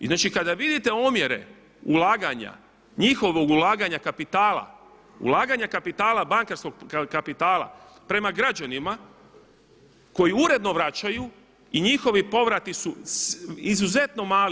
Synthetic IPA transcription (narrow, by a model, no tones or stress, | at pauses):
znaːt͡ʃikad̪aʋid̪it̪e̞omje̞ɾe̞̰ | ulaːɡaɲa̰ | ɲixo̞ʋo̞ɡulaːɡaɲakapit̪aːla̰ | ṵlˠaːɡaɲakapit̪aːlabaŋkaɾsko̞ɡkapit̪aːlˠa̰ | pɾe̞maɡɾad͡ʑanima | ko̞jiuɾe̞d̪no̞ʋɾat͡ɕaju | iɲixo̞ʋipo̞ʋɾat̪isu | izuze̞t̪no̞maːl